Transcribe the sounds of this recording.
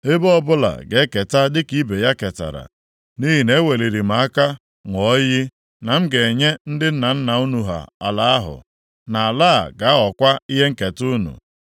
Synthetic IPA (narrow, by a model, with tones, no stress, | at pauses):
e˦bɔ˦bʊ˦la̰˨ɡe˨˦ke˨ta˦dɪ˦ki˦be˨ja˦ke˨ta̰˨ɾa̰˨ | ni˦ɦi˨ne˦we˨le˨ɾi˨m̩˨˦a˦ka˦ | ŋʷɔ˦ji˦ | na˨m̩˦ɡe˨ɲe˦n̩˦dɪ˦n̩˦na˨n̩˦na˨u˦nu˨ɦa̰˨a̰˨la˨˦a˦ɦʊ̰˨ | na˨a˨laː˦˨ɡa˨˦a˦ɔ˨kʷa˦i˦ɦe˦ŋ̩˦ke˨tu˦nṵ˨